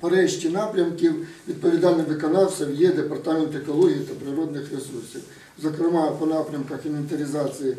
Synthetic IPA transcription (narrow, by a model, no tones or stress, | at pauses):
pɐɾɛɕtʲinapɾʲɐmkʲɪwʋʲid̪̚pɐʋʲid̪alʲnɔʋɨkɐnɑwsʲɐwjɛd̪epɐrt̪amʲent̪ɛkɔlˠɔɦʲiit̪ɐpɾɪɾɔd̪nɪxɾesursʲiw | zɐkɾɪmɑpɔnapɾʲɐmkɐxinenʲt̪ɐɾʲɪzat̪sɨjɪ